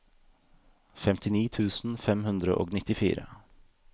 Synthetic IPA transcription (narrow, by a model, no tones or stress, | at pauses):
fɛmt̪ɪniːt̪ʰʉːsn̩fɛmhʉnd̪ɾəʔo̰ːɡnɪt̪ɪfḭːɾə̰